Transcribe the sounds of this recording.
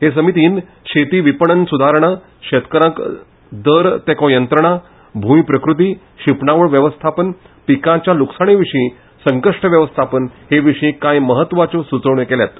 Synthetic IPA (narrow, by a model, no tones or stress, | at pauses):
ɦes̬əmit̪iːn | ɕet̪iːʋipəɳənsud̪ʱaɾɳa | ɕet̪kəɾãk | d̪əɾt̪ekõjənt̪ɾəɳ̃a | bʱumipɾəkɾut̪iː | ɕipɳaʋəɭʋjəʋəst̪ʰapən | pikãt͡ɕjaluksaɽ̃eʋiʂĩː | səŋkəʂʈəʋjəʋəst̪ʰapənheʋiʂĩːkãjməɦət̪ːʋat͡sosut͡səʋɳekeljat̪